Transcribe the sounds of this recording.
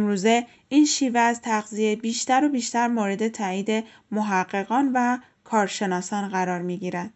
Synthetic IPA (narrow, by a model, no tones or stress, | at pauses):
mɾuːze̞ | iːnʃiːveæzt̪ʰæɣzijejbiːʃt̪æɾobiːʃt̪æɾmoɾe̞d̪e̞t̪ʰæːiːd̪e̞ | moɦæɢːe̞ɣɒːnvæ | kʰɒːɾʃe̞nɒːsɒːnɢæɾɒːɾmiːɟiːɾæd̪̥